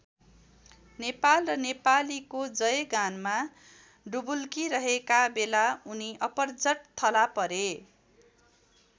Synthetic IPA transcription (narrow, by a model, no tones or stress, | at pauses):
nepalrʌnepalikod͡zʌjɡanma | ɖubulkiɾʌɦekabelauniʌpʌrd͡zʌʈ̚t̪ʰʌlapʌɾe